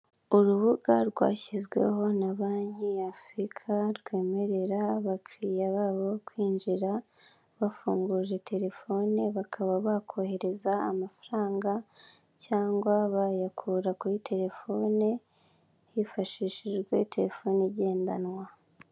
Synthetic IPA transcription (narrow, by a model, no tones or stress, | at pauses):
uɾuβuɡaɾɡwa̰ːçizɡwe̞̰ɦo̞naβaːɲhiafɾikʰaɾɡwe̞ːme̞ɾe̞ɾaβakɾijaβaːβokwiːnʒiɾa | βafuːŋɡuːʒe̞tʰe̞ɾe̞fo̞neβakʰaβaβakʰo̞he̞ɾe̞zaːmafaɾaːŋɡa | caːŋɡwaβajakʰuɾakuɾitʰe̞ɾe̞fo̞ːne | hifaʃiʃiʒɡwe̞̰te̞ɾe̞fo̞ːniɟe̞ːnda̰nwa